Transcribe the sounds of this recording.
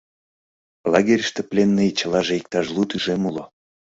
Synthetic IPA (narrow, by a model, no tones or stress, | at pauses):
lɑɣʲeɾʲʃt̪ĕplʲenːejt͡ɕəlɑʒeik̚t̪ɑʒlut̪yʒemulo